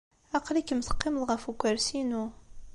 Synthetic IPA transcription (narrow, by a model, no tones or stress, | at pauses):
æqlikːəmθə̥qːɪməlʁəfukʷːəɾsinu